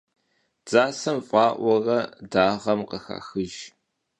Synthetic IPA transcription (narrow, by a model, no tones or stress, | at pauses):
d͡zaːsɐmfʼɑːʔʷɔrɐdaːʁɐmqəxa̰ːxɨʒ